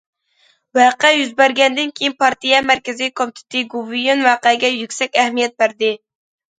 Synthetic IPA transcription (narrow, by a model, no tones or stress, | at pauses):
wæqɛjyzbæɾɡʲɛnd̪ɪnkʲʰejinpʰɑɾt̪ijɛmæɾkʲɪzikʰomt̪ʰɪ̥t̪ʰɨɡuvijonwɑqæɡʲɛjykʲsɛkʲɛhmijɛt̪̚bæɾd̪ɪ